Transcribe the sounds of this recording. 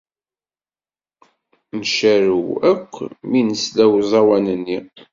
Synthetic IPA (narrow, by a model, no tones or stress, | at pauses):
nʃæɾuwækʷːminəslæwzˤɑwænənːi